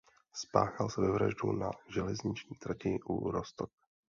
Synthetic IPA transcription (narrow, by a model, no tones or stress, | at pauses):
spa̰ːxalsɛvɛvɾa̰ʒduna̰ʒɛlɛzɲɪt͡ʃɲiːt̪ɾacɪʔuɾost̪ok̚